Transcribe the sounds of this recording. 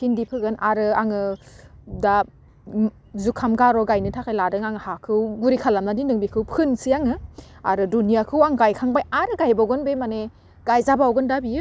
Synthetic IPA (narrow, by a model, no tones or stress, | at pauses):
kʰindipʰɯɡɯnʔaɾɯaŋɯ | da | zukʰamɡaɾɔɡajnɯtʰakʰajladɯŋaŋɯhakʰɯwɡuɾikʰalamladinɯŋbikʰɯwpʰɯnsijaŋɯ | a̰ɾɯdunijakʰɯwaŋɡajkʰaŋbajaɾɯɡajbaɡɯnbemane | ɡ̥ajzabawɡɯndabijɯ